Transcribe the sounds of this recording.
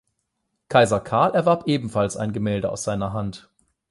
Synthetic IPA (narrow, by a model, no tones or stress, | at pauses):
kʰaɪzɐkʰaɐlʔɛɐvaɐpʔeːbm̩falsa̰ɪnɡəmɛːldəʔa̰ʊsz̥aɪnɐɦant